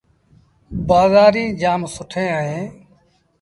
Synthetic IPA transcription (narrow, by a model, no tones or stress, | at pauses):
baːzaːɾĩːd͡ʒaːmsʊʈʰẽːəɦẽː